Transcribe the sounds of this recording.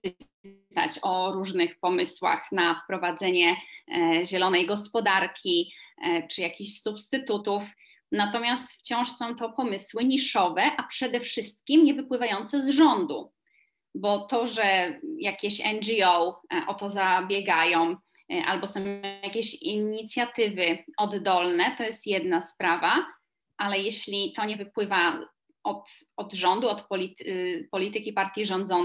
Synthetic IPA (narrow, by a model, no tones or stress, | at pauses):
t̪a̰t͡ɕɔɾuʐnɘxpɔmɘswa̰xnafpɾɔvad̪zɛɲɛ | ʑɛlɔnɛjɡɔspɔd̪aɾkʲi | t͡ʂɘjakʲiɕsupst̪ɘt̪ut̪uf | nat̪ɔmʲjast̪ft͡ɕɔ̃w̃ʂsɔ̃w̃t̪ɔpɔmɘswɘɲiʂɔvɛʔapʂɛd̪ɛfʂɘst̪̚kʲimɲɛvɘpwɘvajɔnt̪sɛzʐɔnd̪u | bɔt̪ɔʐɛjakʲeɕɛnd͡ʒiɔwʔɔt̪ɔzabʲjɛɡajɔ̃w̃ | ʔa̰lbɔsɔ̃jakʲeɕiɲit̪sʲjat̪ɘvɘɔd̪ːɔlnɛt̪ɔjɛst̪jɛd̪naspɾava | ʔalɛjeɕlʲit̪ɔɲɛvɘpwɘva | ɔt̪ɔd̪ʐɔnd̪uɔt̪pɔlʲitpɔlʲit̪ɘkʲipaɾt̪ʲjiʐɔ̃nd̪zɔn